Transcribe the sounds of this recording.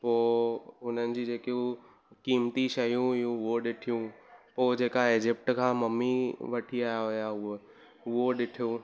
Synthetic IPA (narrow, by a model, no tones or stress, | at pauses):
poːʊn̤ənɪ̆d͡ʑid͡ʑeːkio | kiːmt̪iʃɐjũjũʊɦoɗɪʈʰijũpoːd͡ʑeːkaeːd͡ʑɪp̚ʈkʰãːmɐmːiʋɐʈʰiaːjaɦojaʊo | ʊɦoɗɪʈʰijo